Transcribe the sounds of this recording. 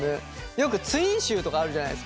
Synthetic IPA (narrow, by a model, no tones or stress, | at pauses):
e | jo̞kɯ̟t͡sɨiĩɰ̃ɕɨːt̪o̞kaːɾɯ̟ʑana̰ḭes